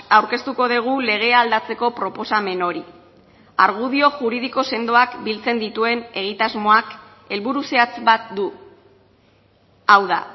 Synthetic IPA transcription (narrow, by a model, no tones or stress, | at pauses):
awɾke̞st̪uko̞ð̞eɣ̞ule̞ɣ̞e̞ald̪at͡se̞ko̞pɾo̞po̞same̞no̞ɾi | aɾɣ̞uðio̞ʝuɾið̞iko̞se̞nd̪o̞akbilt͡se̞nd̪it̪ue̞ne̞ɣ̞it̪azmo̞ak | e̞lβuɾuseat͡sbat̪d̪u | awða̰